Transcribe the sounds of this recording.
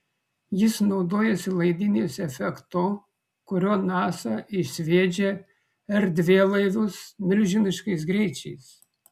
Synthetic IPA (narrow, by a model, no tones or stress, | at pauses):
jɪsnɒʊd̪oːjɛsʲɪlˠɐɪd̪ʲɪnʲeːsɛfʲɛkt̪oː | kʊɾʲoːnɑːsɐɪsʲʋʲeːd͡ʒʲe | ɛɾd̪ʲʋʲeːlˠɐɪʋʊsmʲɪlʲʒʲɪnʲɪʃkɐɪs̬ɡɾʲɛɪt͡ʃʲɛɪs